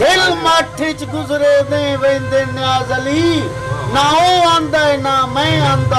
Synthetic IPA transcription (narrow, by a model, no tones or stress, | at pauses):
d̪elmaːʈʰɪt͡ʃɡʊzɾeːd̪ẽːʋẽːnd̪eːnɪaːzəliː | naːõːãːnd̪aːenaːmɛ̃ãːnd̪aː